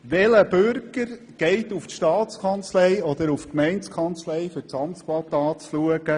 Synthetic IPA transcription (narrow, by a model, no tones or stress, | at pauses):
ʋɛləb̥øʏɾɡəɾ | ɡ̥ɛɪt̪uftʃtɑːt͡skʰɑnt͡slɛjɔd̪əɾufkmɛɪnskʰɑnt͡slɛjfʏt͡sɑmskʰwɑt̪ɑːt͡sluəɡ̥ə